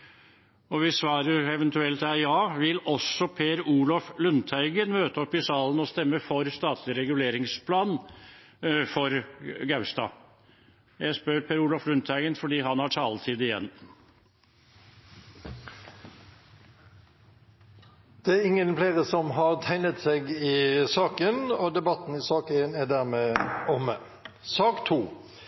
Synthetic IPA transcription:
ɔʋɪsʋɑːɾəɾɛʋɛnt̪ʉɛlt̪æɑːʋɪlɔsːɔpʰeːɾuːlɑflʉnt̪ʰæɪɡənmøːt̪əɔpːɪsɑːlənɔst̪ɛmːəfɔɾst̪ɑːt̪ʰlɪɾɛɡʉleːɾɪŋspʰlɑːn | fɔɾɡɑʉst̪ɑ̰ː | jæɪspøɾpʰeːɾuːlɑflʉnt̪ʰæɪɡənfɔɖiːɦɑnhɑʈʰɑːlt̪ʰiːd̪ɪjɛ̰nː | d̪̥ɛæɾɪŋːənfleːʁəsɔmɦɑʁt̪ʰæɪnət̪seɡɪsɑːkənɔd̪ɛbɑt̪n̩ɪsɑːkeːnæɖ̪æʁmɛɔmə | sɑːkt̪ʰuː

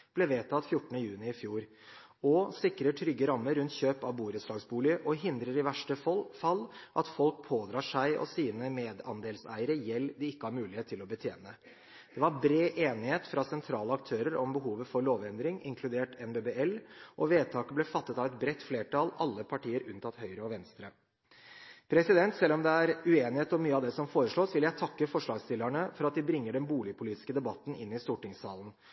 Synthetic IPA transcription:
b̥lɛʋeːt̪ʰɑt̪fjʊʈːənəjʉːnɪɪfjuːɾ | ɔsɪkɾəʈʰɾʏɡːəɾɑmːəɾːʉnt̪ɕøːpɑʋbuːɾət̪sʂɭɑːɡsbuːlɪəʔɔɦɪnd̪ɾəɾɪʋæʂʈəfɔlfɑlːʔɑt̪fɔlk̚pʰoːd̪ɾɑːʂæɪʔɔ̰siːnəmeːd̪ɑ̰nd̪eːlsæ̰ɪəɾəjɛlːd̪ɪɪkːəhɑɾmʉːlɪeːt̪ʰːɪlɔbət̪ʰjeːnə | d̪̥ɛʋɑɾbɾeːʔeːnɪheːt̪fɾɑsɛnt̪ʰɾɑːləɑk̚t̪ʰøːɾəɾʔɔmbəɦuːʋəfɔɾɭoːʋɛnd̪ɾɪŋɪŋkʰlʉd̪eːʈɛnbeːbeːɛlʔɔʋeːt̪ʰɑːkəblɛfɑt̪ːət̪ɑʋɛt̪bɾɛt̪ːfleːʈɑlɑlːəpʰɑʈiːəɾʉnt̪ʰɑt̪hœʏɾəɔʋɛnst̪ɾə | pʰɾɛsɪd̪ɛnt̪sɛlːɔmd̪ɛæɾʉeːnɪheːt̪ɔmyːəɑd̪ɛsɔmfoːɾəʂɭoːsʋɪljæɪt̪ʰɑkːəfɔʂɭɑːɡst̪ɪlːæɳəfɔɾɑt̪̚d̪ɪbɾɪŋːəɖɛnbuːlɪəpʰʊliːt̪ɪskəd̪ɛbɑt̪ːn̩ʔɪnːɪst̪uːʈɪŋsɑːlən̩

